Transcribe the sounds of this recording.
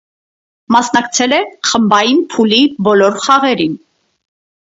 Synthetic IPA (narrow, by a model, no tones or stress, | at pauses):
mɑsnɑkt͡sʰɛlɛχəmbɑjinpʰulibɔlɔɾχɑʁɛɾin